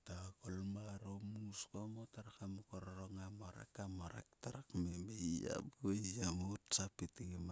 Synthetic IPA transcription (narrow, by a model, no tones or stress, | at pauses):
takolmaɾomuskomotaɾakamukoɾoɾoŋamoɾḛkamoɾḛk̚taɾakmebeia̰buejamutsapitima